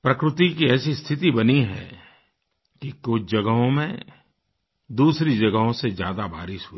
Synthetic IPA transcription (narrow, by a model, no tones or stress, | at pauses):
pɾɐkɾʊt̪ikiɛːsist̪ʰɪt̪ibɐniɦɛ̰ | kikʊt͡ʃʰd͡ʒɐɡəɦõmẽ | d̪uːsɾid͡ʒɐɡəɦõsezja̰ːd̪abaːɾɪʃɦʊiː